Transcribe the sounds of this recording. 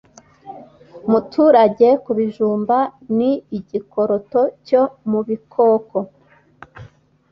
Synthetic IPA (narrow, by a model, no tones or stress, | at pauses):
mutʰuːɾaɟe̞kuβiʒuːmbaniiɟikoɾo̞to̞comuβikʰoːko